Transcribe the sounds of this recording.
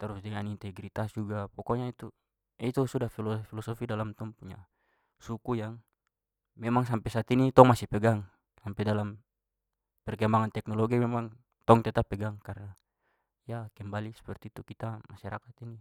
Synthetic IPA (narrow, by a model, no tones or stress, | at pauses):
t̪aɾusdɛŋanint̪ɛɡɾit̪asd͡ʒuɡapɔkɔɲait̪u | ɛit̪usudahfilɔfilɔsɔfidalamt̪ɔŋpuɲa̰ | sukujaŋ | mɛmaŋsampɛsat̪init̪ɔŋmasipɛɡaŋ | sampɛdalam | pɛrkɛmbaŋant̪ɛknɔlɔɡimɛmaŋ | t̪ɔŋt̪ɛt̪apːɛɡaŋkaɾna | jakɛmbalisɛ̥pɛrt̪it̪ukit̪amasaɾa̰kat̪ini